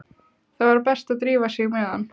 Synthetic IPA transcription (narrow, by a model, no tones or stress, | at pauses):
θaðvaɾpɛst̪aðt̪ɾiːvasjɛɣmɛːðan